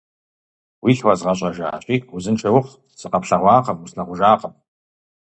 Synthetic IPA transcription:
wiːɬwazʁɐɕʼɐʒa̰ːɕʼiːuzɨnʈ͡ʂʰɐwʊχ | sɨqɐpɬɐʁʷɑːqɐmusɬɐʁʷʊʒaːqəm

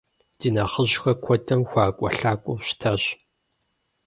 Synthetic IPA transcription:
d̥iːnɐχəʑxɐkʷʰɔdʰɐmxʷaːkʷʼɔɬaːkʷʼʊwɕtʰɐɕ

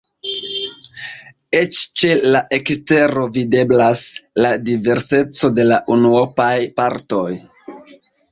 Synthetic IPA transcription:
e̞t͡ʃt͡ʃe̞laʔe̞kste̞ɾo̞vide̞blasladive̞ɾse̞t͡so̞de̞laʔunuopajpaɾto̞j

